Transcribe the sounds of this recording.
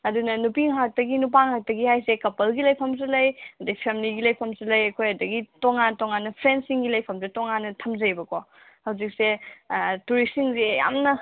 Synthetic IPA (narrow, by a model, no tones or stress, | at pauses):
ɐdunɐnupiŋɦak̚tɐɡinup̬aŋɦak̚tɐɡihajsekɐpɐlɡilɐjpʰɐms̬elɐjɐdɐɡipʰemiliɡilɐjpʰɐmselɐjɐkʰojɐdɐɡitoŋantoŋanːɐpʰɾensiŋɡilɐjpʰɐms̬etoŋanːɐtʰɐmzɐjbɐko | hɐwzik̚se | tuɾisiŋseja̰mnɐ